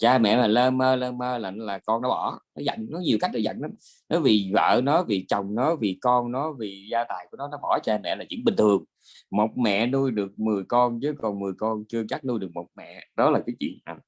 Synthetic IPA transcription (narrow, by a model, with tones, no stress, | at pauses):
t͡ɕaː˧mɛ̰˧˨maː˨˩ləː˧məː˧ləː˧məː˧la˨˩laː˨˩kɔ˧nːɔ˨˦ɓɔ˧˩nɔ˨˦za̰˧˨jŋnɔ˨˦ɲi˨˩əwka˦˥jk̚nɔ˨˦zə̰˧˨jŋʔə˨˦ | nɔ˨˦vi˨˩və̰ː˧˨nɔ˨˦vi˨˩t͡ɕɔ˨˩wŋ͡mnɔ˨˦vi˨˩kɔ˧nnɔ˨˦vi˨˩zaː˧t̪aː˨˩jku˧˩ənɔ˨˦nɔ˨˦ɓɔ˧˩t͡ɕaː˧mɛ̰˧˨laː˨˩zḭ˧˥nɓï˨˩ŋ̟t̪ʰɨ˨˩əŋ | mo˨˩t̚mɛ̰˧˨nu˧jɗɨ˨˩ək̚mɨ˨˩əjkɔ˧nzɨ˨˦kɔ˨˩nmɨ˨˩əjkɔ˧nt͡ɕɨ˧ət͡ɕa˦˥k̚nu˧jɗɨ˨˩ək̚mo˨˩t̚mɛ̰˧˨ɗɔ˨˦laː˨˩kaː˨˦jt͡ɕḭ˧˨ənʔaː˨˩